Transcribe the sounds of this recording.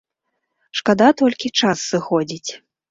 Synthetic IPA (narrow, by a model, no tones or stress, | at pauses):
ʂkad̪at̪ɔlʲkʲit͡ʂasːɨxɔd͡zʲit͡sʲ